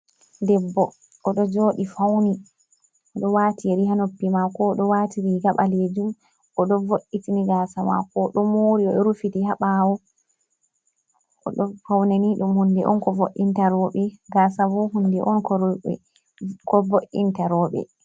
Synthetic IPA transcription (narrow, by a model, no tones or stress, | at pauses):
dɛbːɔ | ʔɔɗɔd͡ʒoːɗifawni | ɔɗɔwaːtieɾiɦanopːimakɔɗɔwatʰiɾiɡaɓaled͡ʒum | ʔɔɗɔvoʔːitiniɡasama̰kɔɗɔmoːɾiɔɗɔɾufitihaɓawɔ | ʔɔ̰ɗɔfawnaniɗumhundɛʔɔ̰nkɔvoʔːintaɾɔɓɛɡasavuhundɛʔɔnkɔɾɛ̰ | kɔvoʔintaɾɔːɓɛ̰